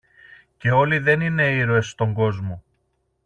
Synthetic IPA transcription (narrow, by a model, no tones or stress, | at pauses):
ce̞o̞liðe̞nine̞iɾoe̞st̪o̞ŋɡo̞zmo̞